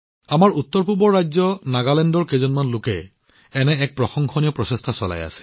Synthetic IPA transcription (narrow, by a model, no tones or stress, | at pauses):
amaɹut̪ːɔɹpuɹbɔɹajzɔnaɡalɛndɔɹkezɔnmanlʊkɛ̰ | ɛnɛɛk̚pɹɔxɔŋxʰɔnijɔpɹɔsestʰasɔla̰ja̰sɛ̥